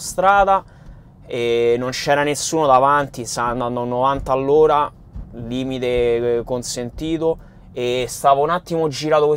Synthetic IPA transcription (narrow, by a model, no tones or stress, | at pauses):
st̪ɾaːd̪a | enont͡ʃɛːɾanesːuːnod̪avant̪isand̪ananːovant̪aːlːoːɾa | liːmit̪ekonsent̪iːt̪o | est̪aːvaunat̪ːimod͡ʒiɾaːt̪okwe